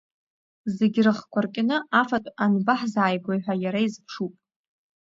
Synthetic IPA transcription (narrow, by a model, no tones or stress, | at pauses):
zeɡʲrɨχkʷʰarkʲʼɪnɨafatʼanbaħzaːjɡʷajħᶣʷajaɾaizpʰʂupʼ